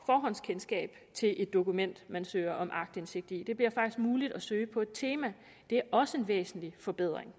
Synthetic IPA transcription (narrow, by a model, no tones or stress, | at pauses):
fɒːɦɒ̽n̰skʰensɡ̥ɛ̰ːb̥ | t͡sʰe̝lʔe̝d̥ːo̝kumen̰d̥mænsø̰ːɪɐʔɒ̽mʔɑ̈ɡ̥̚d̥ense̝ɡ̥̚d̥id̥e̝b̥liɐ̰fɑ̈ɡ̥d̥isɡ̥̚muːlid̥ɒsøːɪpʰɒ̽e̝d̥̚t͡sʰe̝ːmæ | d̥e̝æɐʔɒ̽səe̝nʋḛːsn̩lifɒ̽b̥e̝ð̞̰ˠʁeŋ